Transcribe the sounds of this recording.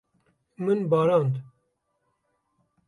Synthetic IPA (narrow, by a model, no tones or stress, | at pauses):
mɨnbɑːɾɑːnd̪